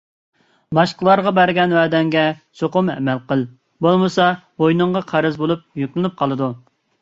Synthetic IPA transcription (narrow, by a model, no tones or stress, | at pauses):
bɑʃqəlˠɑɾʁɑbæɾɡʲɛnwæːd̪ɛŋɡʲɛsoqʊmɛ̰mɛlqəlˠ | bolˠmɨsɑbojnɨŋʁɑqʰæɾɪzbolˠup̚jykʲlɪnup̚qʰɑlˠɨd̪u